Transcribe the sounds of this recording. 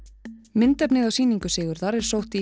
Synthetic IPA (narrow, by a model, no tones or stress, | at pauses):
mɪnt̪ɛpnɪðawsiːniŋkʏsɪːɣʏɾðaɾɛɾ̥sowht̪i